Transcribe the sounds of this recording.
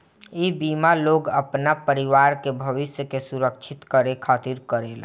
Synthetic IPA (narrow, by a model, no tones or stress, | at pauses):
ibiːmaloːɡəpnapəɾɪʋaːɾkebʱəʋɪsjəkesʊɾəkt͡ʃʰɪt̪kəɾekʰaːt̪iɾkəɾeːla̰